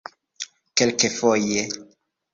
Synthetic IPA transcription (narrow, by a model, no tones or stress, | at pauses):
kelkefoje